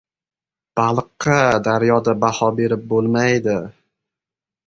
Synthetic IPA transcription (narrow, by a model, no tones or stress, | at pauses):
b̥alˠqːɑd̪aɾjɒd̪abahɒbe̞ɾɪp̚bolˠmajd̪ɪ